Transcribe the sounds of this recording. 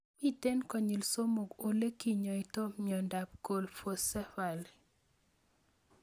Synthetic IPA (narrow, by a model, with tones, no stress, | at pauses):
mi˦te˦nkɔ˨ɲi˨lso˦mo˨ɡo˨le˦ki˨ɲɔ˨i˨to˦mɲjɔ˨nda˨p̚ko˨lfo˨sɛ˦fa˨l